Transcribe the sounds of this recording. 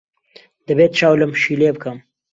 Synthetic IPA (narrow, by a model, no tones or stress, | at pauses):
d̪̥əbeːt̪t͡ʃaːwləmʃileːbɨkəm